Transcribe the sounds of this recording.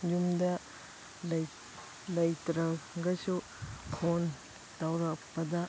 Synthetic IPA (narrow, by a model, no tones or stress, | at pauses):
jumdɐ | lɐj | lɐjtɾɐɡɐsu | kʰon | tawɾɐpːɐdɐ